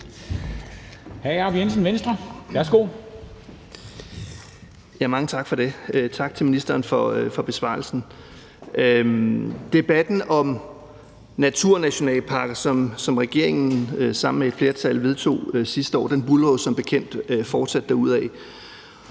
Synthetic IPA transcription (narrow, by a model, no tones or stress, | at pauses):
hæɪɑbiensn̩ʋensd̥ʁɐʋæɐsɡ̥o̝̰ː | jæmɑ̈ŋət͡sʰɑ̈ɡ̥fɒ̽ɾe̝t͡sʰɑ̈ɡ̥̚t͡sʰe̝minisd̥ɐːnfɒ̽fɒ̽b̥e̝sʋɑ̰̈ːl̩sn̩ | d̥e̝b̥æd̥n̩ɒ̽m | næt͡sʰuɐ̰næɕo̝nɛ̰ːləpʰɑ̈ɡ̥ɐsɒ̽msɒ̽mʁɛɡ̥e̝ɐ̰e̝ŋn̩sɑ̈m̰n̩meed̥fle̝ːɐt͡sʰælʋe̝ð̞ˠt͡sʰo̝̰ːsisd̥əɒ̰ːd̥enb̥ulʁɔsɒ̽mb̥e̝kʰen̰d̥øfɒːd̥sæd̥ːæuð̞̰ˠɛ